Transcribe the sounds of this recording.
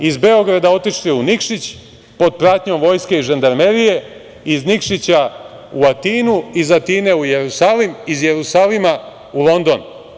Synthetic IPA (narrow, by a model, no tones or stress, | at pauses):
izbe̞o̞ɡɾad̪ao̞t̪iʃliunikʃit͡ɕ | po̞d̪̚pɾat̪ɲo̞mʋo̞ːjske̞iʒend̪aɾmeɾije̞ | iznikʃit͡ɕa | uat̪iːnuizat̪iːne̞ujeɾusalimizjeɾusaːlima | ulˠo̞nd̪o̞n